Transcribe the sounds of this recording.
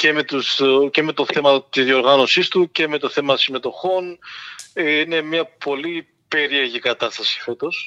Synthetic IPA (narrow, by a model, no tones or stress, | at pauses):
ce̞me̞t̪usce̞me̞t̪o̞θe̞mɐt̪izðio̞ɾɣɐno̞sist̪uce̞me̞t̪o̞θe̞mɐsime̞t̪o̞xo̞n | ine̞mɲɐpo̞li | pe̞ɾie̞ɾʝikɐt̪ɐst̪ɐsi̥fe̞t̪o̞s